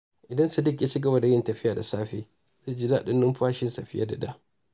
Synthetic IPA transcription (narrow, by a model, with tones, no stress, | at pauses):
ʔɪ˨dɐ˦nsu˨dɪ˦k̬ʲːja˦t͡ʃi˦ɡɐ˦bɐ˨da˨jɪ˦ntɐ˨ɸɪ˦jaː˨da˨saː˦ɸeː˦ | zu˦d͡ʒɪ˦da˦ʔɗɪ˦nːʊ˦mɸaː˦ʃɪ˦nsa˨ɸɪ˦ja̰˦da̰˨da̰˦